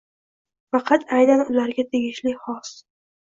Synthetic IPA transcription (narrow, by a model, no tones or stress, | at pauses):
fɑqʰɑt̪ʰajnanʊlaɾɡʲat̪ʰeɡʲɪʃlɪχɒs